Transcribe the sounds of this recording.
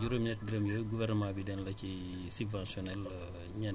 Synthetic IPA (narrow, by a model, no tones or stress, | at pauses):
ɟuɾomnɛt̚biɾemjoːɡuvɛrnəmãːbidɛnlɐci | subvãnsɔnɛl | ɲɐ